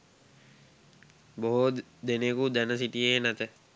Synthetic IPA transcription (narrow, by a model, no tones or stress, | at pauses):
boɦod̪enekud̪ænəs̬iʈijeːnæt̪ə